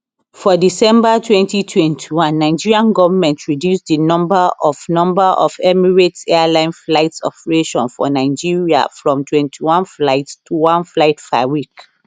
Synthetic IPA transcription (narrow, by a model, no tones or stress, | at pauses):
fɔdisɛ̃mbatʰwɛ̃ntitʰwɛ̃ntʰiwãnːaɪd͡ʒiɹiãnɡɔvəmɛ̃ntʰɹidjusdinɔ̃mbaʔɔfnɔ̃mbaʔɔfɛmiɹetɛlãɪ̃nflaɪtsɔ̰pɹeʃɔ̰̃nfɔ̰naɪd͡ʒiɹia̰fɹɔ̃mtʰwɛ̃ntʰiwãnflaɪtːuwãnflaɪtpa̰wik